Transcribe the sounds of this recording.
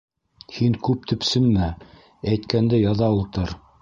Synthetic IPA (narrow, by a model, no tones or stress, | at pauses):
hiŋkʉp̚t̪ɵ̆psɘnmæ | æjt̪kænd̪ɘjɑðɑulˠt̪ɤɾ